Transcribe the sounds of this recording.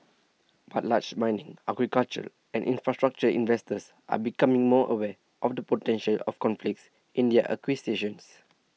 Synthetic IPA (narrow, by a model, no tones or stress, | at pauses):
b̥at̚lat͡ʃmãjnĩŋʔaɡɹikalt͡ʃə̰l | ʔɛ̰̃nʔḭ̃nfɹastɹak̚t͡ʃəḭ̃nvɛstəs | ʔa̰bikamĩŋmɔʔə̰wɛ | ʔɔfdəpotɛ̃nʃəlɔ̰fkɔ̃nflik̚ts | ʔĩndɛʔə̰kwiseʃə̃ns